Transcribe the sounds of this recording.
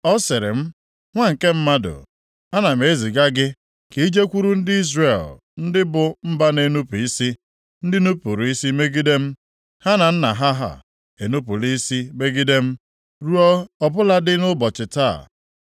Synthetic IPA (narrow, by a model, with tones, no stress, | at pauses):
ɔ˦sɪ˨ɾɪ̰˨m̩˦ | ŋʷa˦ŋ̩˨ke˦m̩˦ma˦dʊ̰˨ | a˦na˨m̩e˨˦zi˨ɡa˦ɡɪ˦ | ke˨i˦d͡ʒe˦kʷu˦ɾu˦n̩˦dɪ˦i˦zre˨l | n̩˦dɪ˦bʊ˨m̩˦ba˦ne˨nu˦pi˦si˦ | n̩˦dɪ˦nu˦pu˨ɾu˨i˦si˦me˦ɡi˦de˦m̩˦ | ha˦na˨n̩˦na˨ɦa˦ɦa̰˨ | e˨nu˦p̬u˨li˦si˦be˦ɡi˦de˦m̩˦ | ɾu˦ɔ˦ɔ˦bʊ˦la˦dɪ˦nʊ˦bɔ˨t͡ʃɪ˨ta̰˦˨